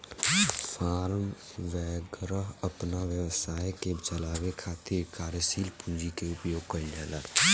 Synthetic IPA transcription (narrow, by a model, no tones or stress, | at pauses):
faːɾm | ʋɛːɡɾəɦəpnaʋjəʋəsaːjket͡ʃəlaːwekʰaːt̪ɪɾkaːɾəsiːlpũnd͡ʒikeʊpjoːɡ̚kəɾlala